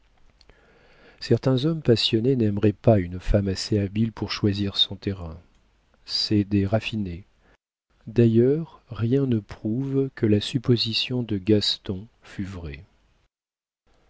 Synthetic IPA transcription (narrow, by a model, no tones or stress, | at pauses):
sɛʁt̪ɛ̃zɔmpasjɔnenɛmʁɛpaynfamaseabilpuʁʃwaziʁsɔ̃t̪eʁɛ̃ | sɛd̪eʁafine | d̪ajœʁːjɛ̃nəpχuvkəlasypozisjɔ̃d̪əɡast̪ɔ̃ | fyvʁɛ